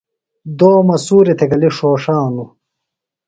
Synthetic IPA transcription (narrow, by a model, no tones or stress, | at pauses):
d̪oːmɐsuːɾit̪ʰeɡɐliʂoːʂaːnu